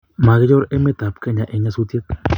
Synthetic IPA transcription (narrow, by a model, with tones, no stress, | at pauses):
ma˨ɣe˦jo˦ɾe˦me˦t̪a˨pka˦ɲã˨ʔe˨ɲã˦su˦t̪je˦t̪̚